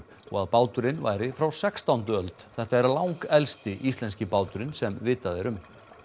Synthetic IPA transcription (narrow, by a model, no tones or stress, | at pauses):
ɔ̰ɣaðpaːwt̪ʏɾɪnva̰ːjɾɪfɾawsɛkst̪awnt̪ʏœlt̪θɛht̪aɛɾlawŋkɛlst̪ɪʔist̪lɛns̬cɪpaːwt̪ʏɾɪnsɛmvɪːt̪aðɛɾʏm